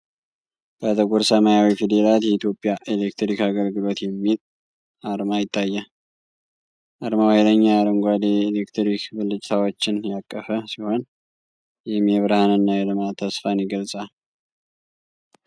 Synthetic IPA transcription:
b̥ət̪ʰəkʼuɾsəmajawifid̪elat̪jɛit̪jo̞pʼːjaʔelek̚t̪ɾikaɡəlɡɨlo̞t̪jɛmːil | ʔaɾmajɪt̪ʰʼːajːa | ʔaɾmawajləɲːaɾəŋɡʷad̪eːlekt̪ʰɾikbɨlːɨt͡ʃʼt̪ʰawot͡ʃːɪnjakʼːəfəsiho̞n | jɛmɛβɾahanɨnːajɛlɨmat̪ʰːəsfanjiɡəlsʼal

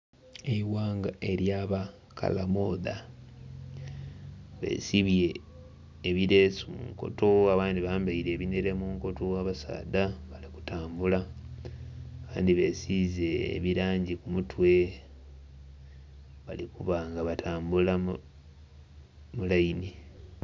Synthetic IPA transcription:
eiwaːŋɡaʔe̞ɾjaːβa | ka̰lamo̞ːða | βe̞̰ːsiβje̞ː | βiɾe̞ːsumṵŋko̞̰toaβaːnd̪iβaːmbaiɾe̞ːβineɾe̞muːŋko̞towaβasa̰ːdaβaliku̥taːmbula | βa̰ːndiβe̞ːsize̞̰ːβiɾaːɲɟikumutwe̞ | βalikuβaŋɡaβatʰaːmbulam | mulajini

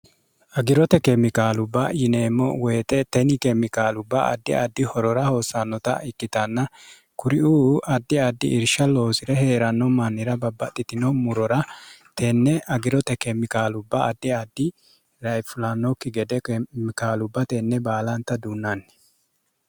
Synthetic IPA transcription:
ʔɐɡɪɾɔt̪ɛkɛmɪkaːlʊbːɐ̰jɪneːmːɔ̰weːt̪ɛt̪ɛnɪkɛmɪkaːlʊbːɐ̰ɐ̰d̪ːɪ̰ɐ̰d̪ːɪhɔɾɔɾɐho̞ːsːanːɔt̪ɐ̰ɪkːɪt̪ɐnːɐ | kʊɾɪuːɐd̪ːɪɐd̪ːɪ̰ʔɪɾʃɐlo̞ːsɪɾɛhe̞ːɾɐnːɔmɐnːɪɾɐbɐbːɐt̪ʼːɪt̪ɪnɔmʊɾɔɾɐt̪ɛnːɛɐɡɪɾɔt̪ɛkɛmɪkaːlʊbːɐːd̪ːɪad̪ːɪ | ɾɐjfʊlanːɔkːɪɡɛd̪ɛkmɪkaːlʊbːɐt̪ɛnːɛbaːlɐnt̪ːɐd̪uːnːan

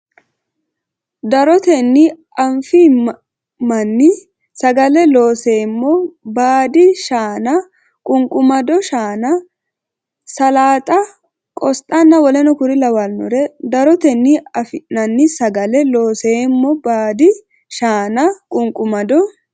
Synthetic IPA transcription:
d̪ɐɾɔt̪ɛnːɪ | ɐɱfi | mɐnːɪ | sɐɡɐlɛlo̞ːseːmːɔbaːd̪ɪʃaːnɐ | kʼʊŋkʼʊmɐd̪ɔʃaːnɐ | sɐlaːt̪ʼɐ | kʼɔst̪ʼɐnːɐwɔlɛnɔkʊɾɪlɐwɐlnɔ̰ɾɛd̪ɐɾɔt̪ɛnːɪɐfɪnɐnːɪsɐɡɐlɛloːseːmːɔbaːd̪ɪ | ʃaːnɐkʼʊŋkʼʊmɐd̪ɔ

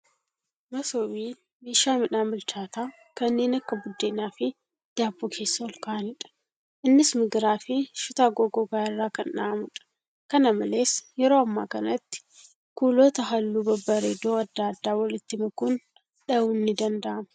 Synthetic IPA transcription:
mɐsoːbiː | meːʃaːmɪᶑaːnbʊlt͡ʃaːt̪aː | kɐnːe̞ːnɐkːɐbʊd̪ːeːnaːfɪ | d̪̥aːbːoːkʰe̞ːsːɐɔlkaʔɐnɪᶑɐ̥ | ʔɪnːɪsmɪɡɾaːfɪʃʊt̪aːɡoɡoɡaːɪrːaːkɐnᶑaɐmʊᶑɐ̥ | kɐnɐmɐle̞ːsjɛɾo̞ːɐmːa̰ːkɐnɐt̪ːɪ̥ | kuːloːt̪ɐɦɐlːuːbɐbːaɾed̪oːɐd̪ːaːd̪ːaːwɐlɪt̪ːɪmɐkʊn | ᶑɐʊnːɪd̪ɐnd̪ɐʔɐmɐ̥

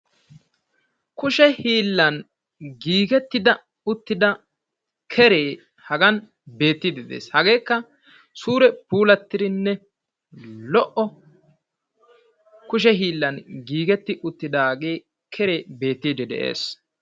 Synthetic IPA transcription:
kʊʃɛhiːlːɐn | ɡiːɡɛt̪ːɪd̪ɐ | ʊt̪ːɪd̪ɐ | kʰɛɾeː | hɐɡɐn | be̞ːt̪ːid̪ɪd̪ḛːshɐɡe̞ːkːɐ | suːɾɛpuːlɐt̪ːɪɾɪnːɛ | lɔʔɔ | kʊʃ̬ɛɦiːlːɐnɡiːɡɛt̪ːɪʔʊt̪ːɪd̪ɐɡe̞ː | kʰɛɾeːbe̞ːt̪ːiːd̪ɪd̪ɛ̰ʔḛːs

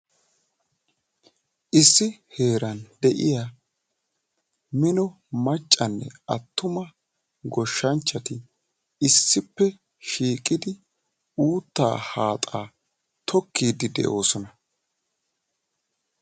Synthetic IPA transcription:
ʔɪsːɪhe̞ːɾɐnd̪ɛʔɪ̰ja | mɪnɔ | mɐt͡ʃʼːɐnːɛ̰ʔɐt̪ːʊmɐ | ɡɔʃːɐnt͡ʃːɐt̪ɪ | ɪsːɪpːɛ | ʃiːkʼːɪd̪ɪ | uːt̪ːa̰ːhaːt̪ʼaː | t̪ʰɔkːiːd̪ɪd̪ɛ̰ʔo̞ːsɔnɐ

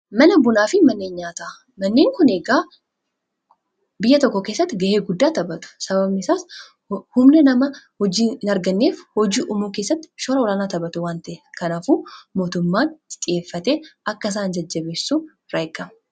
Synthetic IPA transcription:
mɐnɐbʊnaːfɪmɐnːe̞ːnɲaːt̪a | mɐnːe̞ːŋkʊne̞ːɡaː | bɪjːɐt̪ɔkːɔke̞ːsːɐt̪ːɪɡɐʔeːɡʊd̪ːaːt̪ɐbɐt̪ʊ̥sɐbɐbnɪsaːs | hʊmnɛnɐmɐhɔd͡ʒiːnɐɾɡɐnːe̞ːfhɔd͡ʒiːʔʊmuːke̞ːsːɐt̪ːɪ̥ʃɔːɾɐɔlaːnaːt̪ɐbɐt̪ʊwaːnt̪ɐʔekɐnɐfuːmo̞ːt̪ʊmːaːt̪ɪ̥t̪ʼɪeːfːɐt̪eːʔɐkːɐɪs̬aːnd͡ʒɐd͡ʒːɐbe̞ːsːuː | ɾɐjkːɐmɐ

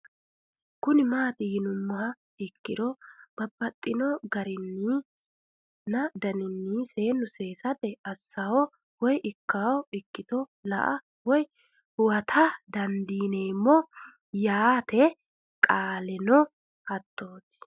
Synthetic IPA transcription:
kʊnɪmaːt̪ɪhɪnʊmːʊhɐ | ɪkːɪd̪ɔb̥ɐbːɐt̪ʼːɪnɔɡɐɾɪnːi | nɐd̪ɐnɪnːise̞ːnːʊse̞ːsɐt̪ɛɐsːawɔ | wɔjɪkːawɔɪkːɪt̪ɔlɐ̰ʔɐ | wɔj | hʊwɐt̪ʰɐd̪ɐnd̪iːneːmːɔ | jaːt̪ɛ | kʼaːlɛnɔ | hɐt̪ːoːt̪ɪ̥

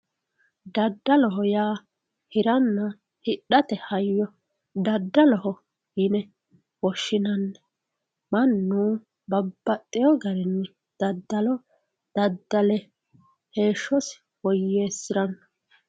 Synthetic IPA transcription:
d̪ɐd̪ːɐlɔɦɔjaː | hɪɾɐnːɐ | hɪɗːɐt̪ɛhɐjːɔ | d̪ɐd̪ːɐlɔhɔ | hɪnɛ | wɔʃːɪnɐnːɛ̥ | mɐnːuː | bɐbːɐt̪ʼːɪjɔɡɐɾɛnː | d̪̥ɐd̪ːɐlɔ | d̪̥ɐd̪ːɐlɛ | he̞ːʃːɔs | wɔjːeːsːɪɾɐnː

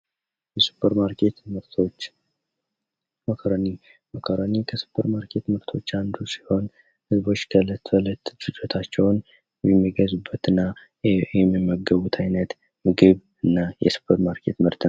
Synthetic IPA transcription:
jɛsu̥pʰːəɾmaɾket̪ | məkʰɾni | məkʰəɾənikʰəsu̥pʰːəɾmaɾkʰe̞t̪mɨɾt̪ʰo̞t͡ʃːand̪usi̥ho̞n | hɨzbo̞t͡ʃːkʰələt̪ːələt̪ːdɨd͡ʒot̪ʰat͡ʃːɛwn | jɛmːiɡəzubːət̪ɨnːa | ɛmːimːəɡːəβut̪ʰajnət̪ | mɨɡɨβ | ɨnːajɛ̰su̥pʰːəɾmaɾkʰe̞̰t̪mɨɾt̪ʰ

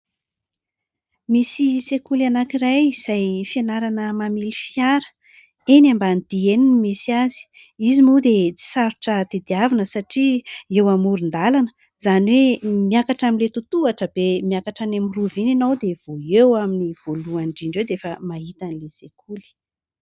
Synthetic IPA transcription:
misisekulanakirajiz̥ajfianaɾanəmamilifiaɾə̥ | enambanid̪̥ieninimisiazi̥ | izimud̪et͡si̥saɾuʈ͡ʂət̪ed̪iavinəsaʈ͡ʂiewamuɾind̪alanə̥ | z̥aniwemiakaʈ͡ʂaminlet̪ut̪uaʈ͡ʂəb̥emiakaʈ͡ʂanamiruvininowd̪ev̥oewaminiv̥oluaɳɖ͡ʐiɳɖ͡ʐewd̪efəmaɦit̪anilesekʰuli̥

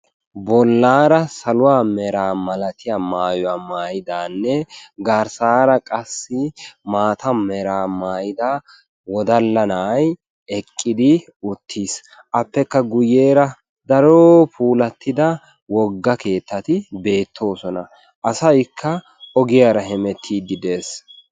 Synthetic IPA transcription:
bɔlːaːɾɐsɐlʊwaːmɛɾaːmɐlɐt̪ɪjamaːjɔwamaːjɪd̪aːnːɛɡaːɾsaːɾɐkʼɐsːɪmaːt̪ɐmɛɾaːmaːjɪd̪a | wɔd̪ɐlːɐnɐːj | ɛkʼːɪd̪ɪ | ʊt̪ʰːiːs | ʔɐpːɛkːɐɡʊjːe̞ːɾɐ | d̪ɐɾoːpʰuːlɐt̪ːɪd̪ɐ | wɔɡːɐke̞ːt̪ːɐt̪ɪbe̞ːt̪ʰːo̞ːsɔnɐ | ʔɐsɐjkʰːɐ | ɔɡɪjaɾɐɦɛmɛt̪ʰːiːd̪ːɪd̪e̞ːs

